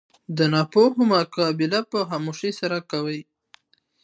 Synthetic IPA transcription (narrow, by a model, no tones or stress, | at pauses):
d̪ənɑpoɦʊmakɑbɪlapəɦamuʃisaɾakawəj